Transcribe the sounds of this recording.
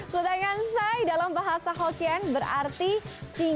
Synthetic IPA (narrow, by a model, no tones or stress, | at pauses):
sut̪aŋansajdalambaɦasaɦokianbəɾa̰rt̪it͡ʃi